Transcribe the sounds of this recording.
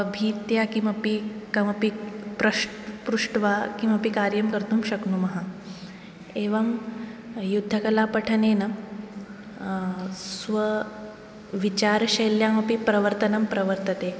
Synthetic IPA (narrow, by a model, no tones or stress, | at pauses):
əbʱiːt̪jakimɐpikɐmɐpipɾɐʂʈpɾuʂʈʋakimɐpikaɾjəmkəɾt̪uːmɕɐknumɐɦa | eʋəm | jud̪ʱːəkɐlapəʈʰənenə | sʋə | ʋit͡ɕaɾɕɐjljamɐpipɾɐʋəɾt̪ənɐmpɾɐʋəɾt̪ət̪e